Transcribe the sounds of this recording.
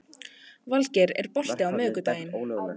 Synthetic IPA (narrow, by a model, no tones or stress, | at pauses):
valcɛɾɛ̰ɾ̥pɔr̥t̪ɪawmœːkʏt̪aːjɪn